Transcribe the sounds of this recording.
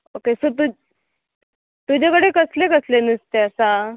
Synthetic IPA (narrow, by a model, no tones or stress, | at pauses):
okesət̪̬u | t̪ud͡ʑakəɽekəslekəslenist̪eəsa